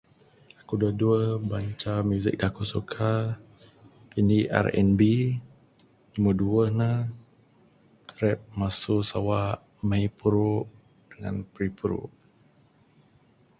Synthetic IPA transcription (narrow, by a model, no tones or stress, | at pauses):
akudaduəhbaɲt͡ʃamjuzɪ̰k̚dakusukʰa | pindiʔa̰rɛ̰nbi | niməduəhnəh | ɾɛp̚masusawaʔ | mãjpuɾuʔ | d̥əŋa̰npɾipuɾṵʔ